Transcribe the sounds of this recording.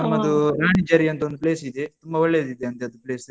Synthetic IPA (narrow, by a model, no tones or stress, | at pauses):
ɐmːɐd̪uɾaːɳid͡ʒaːɾiɐnt̪ɐod̪upleːsid̪et̪umbɐʋɐɭːed̪id̪eɐnt̪eɐd̪upɭeːs